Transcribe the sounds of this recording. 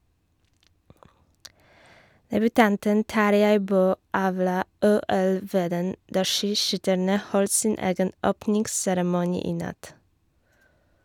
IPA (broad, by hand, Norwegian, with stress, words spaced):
dɛbʉˈtɑntən ˈtɑɾjæɪ ˈbøː ˈɑːʋlɑː ˈuːɛl ˈʋeːdən ˈdɑː ˈʃiːˌʃʏtæɳə ˈhɔlt ˈsiːn ˈeːɡən ˈoːpnɪŋɡsæɾmʊˌniː ˈiː ˈnɑt